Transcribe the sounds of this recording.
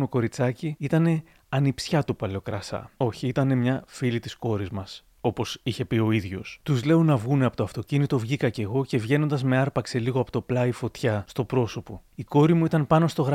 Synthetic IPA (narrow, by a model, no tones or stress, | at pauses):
oko̞ɾit͡sɐciit̪ɐne̞ | ɐnipsçɐt̪upɐleo̞kɾɐsɐ̰o̞çiit̪ɐne̞mɲɐfilit̪isko̞ɾizmɐs | o̞po̞siçe̞pio̞iðʝo̞̰st̪uzle̞o̞nɐvɣuneɐpo̞t̪oɐft̪o̞cinit̪o̞vʝikɐce̞ɣo̞ce̞vʝe̞no̞nd̪ɐzme̞ɐɾpɐkse̞liɣoɐpo̞t̪o̞plɐifo̞t̪çɐst̪o̞pɾo̞so̞po̞iko̞ɾimuit̪ɐnpɐno̞st̪o̞ɣɾɐ